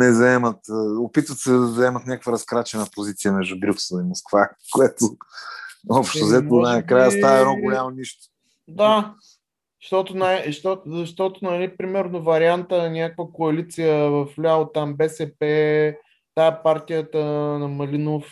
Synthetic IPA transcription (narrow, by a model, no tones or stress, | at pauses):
nɛzɐɛmət̪ːopit̪vət̪sɛd̪ɐzɐɛmɐt̪nʲakə̥kvəɾɐskɾat͡ʃɛnəpozit̪sijəmɛʒd̪ubɾʲuksɛlˠimoskvakoɛt̪ʊ | ɔpʃt̪ozɛt̪onakɾajəst̪aɐɛnɔɡʊlʲamoniʃt̪o̥ | d̪a | ʃt̪ɔt̪onaɛʃt̪ɔtzɐʃt̪ɔt̪ʊnɐlipɾimɛɾnovɐɾiant̪ənʲakəkvəkoɐlit̪sijəvɐflʲaot̪ambɛsɛpɛ | t̪aɛpaɾt̪ijət̪ənɐmɐlinof